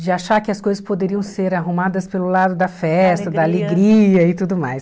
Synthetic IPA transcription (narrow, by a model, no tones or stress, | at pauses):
d͡ʒɪaʃaɾkɪɐskojzɐspod̪eɾiɐ̃w̃seɾaɦumad̪ɐspelʊlad̪ʊd̪ɐfɛst̪ɐd̪ɐaleɡɾiɐɪt̪ud̪ʊmajs